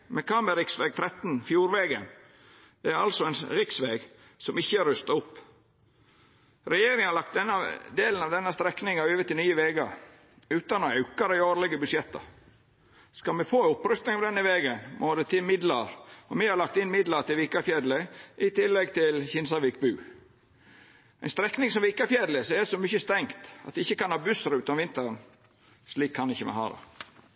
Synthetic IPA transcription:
mɛkʰɑːməɾɪksʋeːɡ̚t̪ʰɾɛt̪ːnfjuːɾʋeːɡə̰n | d̪̥ɛæɾɑlsɔɛnɾɪksʋeɡ | sɔmɪçːəɾʉst̪ɑɾʊpː | ɾɛjeːɾɪŋhɑɾlɑk̚t̪d̪ɛnːɑd̪eːlnɑʋd̪ɛnːəst̪ɾɛknɪŋɑøːʋət̪ɪlnyːəʋeːɡɑ̰ɾ | ʉːt̪ɑnɔɑʉkɑd̪æɪoːɾlɪɡəbʉsjɛt̪ːə̰ | skɑmɛfoːʊpːɾœst̪nɪŋɑʋd̪ɛnːəʋeːɡənmʔod̪ət̪ʰɪmɪd̪lɑɾɔmɛhɑɾɭɑkt̪ɪnːmɪd̪lɑɾt̪ɪlʋiːkɑfjɛːd̪ləʔɪt̪ɪlːɛɡt̪ʰɪlçɪnsɑʋiːk̚bʉː | ɛɪnst̪ɾɛknɪŋsɔmʋɪːkɑfjæːd̪ləsɔɛd̪ɛsɔmʏçəst̪ɛŋkt̪ɑ̰t̪ʋɛɪçːəkɑnhɑːbʉsɾʉːt̪ɑnʋɪnt̪əɾən | sliːkʰhɑnːɪçːəmɛ̰ɦɑ̰ːd̪ɑ̰

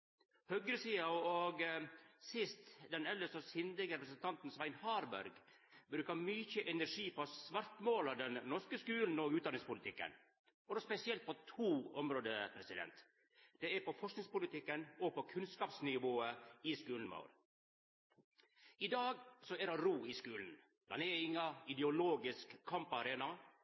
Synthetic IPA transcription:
hœɡɾəsiːɑɔɡsɪst̪d̪ɛnɛlːəsɔsɪnd̪əɡəɾɛpɾəsənt̪ʰɑnt̪n̩sʋæɪnhɑːɾbæ̰ɾɡ | bɾʉːkɑmyçəʔɛnæɾʂiːpʰɔsʋɑɾt̪moːlɑʋd̪ɛnnɔʂkəskʉːln̩ɔɡʉːt̪̚d̪ɑnɪŋspʊlɪt̪ɪkːə̰n | ɔd̪ɔspɛsɪɛlt̪̚pɔt̪ʰuːɔmɾoːd̪əpʰɾɛsɪd̪ɛ̰nt̪ | d̪̥ɛæɾpɔfɔʂknɪŋspʊlɪt̪ʰɪkːənɔpʰɔkʰʉnskɑːpsnɪʋoːəɪskʉːln̩mɑ̰ʊɾ | ɪd̪ɑːɡsɔɛɾɑɾuːɪskʉːln̩ | d̪ɑ̰nɛɾɪŋːɑɪd̪ɛʊloːɡɪskʰːɑmpɑɾeːnɑ

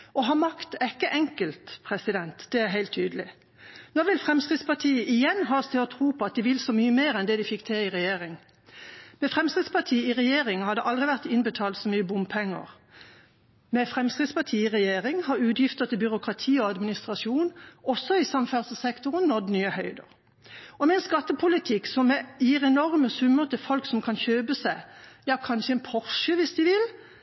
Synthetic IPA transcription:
ɔɦɑːmɑkt̪ɛkːəʔɛŋkəlt̪pʰʁɛsɪd̪ɛnt̪d̪̥ɛæɦæɪlt̪ʰːyːd̪əlɪ | nɔʋɪlfʁɛmskʁɪd̪spɑʁt̪ʰiːəʔɪjɛnɦɑːst̪ʰɪɔt̪ʰʁuːpʰɔɑt̪̚d̪ɪʋɪlsɔmyːəmeːʁɛnd̪ɛd̪ɪfɪkːt̪ʰɪlɪʁɛjeːʁɪŋ | mɛfʁɛmskʁɪd̪spɑʁt̪ʰiːɪʁɛjeːʁɪŋhɑd̪ɛʔɑld̪ʁɪʋæʁt̪ɪnbət̪ʰɑːlt̪sɔmyːəbʊmpʰɛŋːə̰ʁ | mɛfʁɛmskʁɪd̪spɑt̪ʰiːiʁɛjeːʁɪŋhɑʁʉːd̪jɪft̪ət̪ʰɪlbʏʁʊkʁɑt̪ʰiːɔɑd̪mɪnɪst̪ʁɑsuːnɔsːɔɪsɑmfæʁsəsɛkt̪ʊʁnnɔd̪nyːəhœʏd̪ə̰ʁ | ɔmɛɛnskɑt̪ːəpʰʊlɪt̪ʰɪksɔmːɛjiːʁɛnɔʁməsʉmːəʁt̪ʰɪfɔlksɔmkʰɑnçøːbəsæɪjɑkʰɑnʃəɛnpʰɔʁʃəʋɪsd̪ɪʋɪl

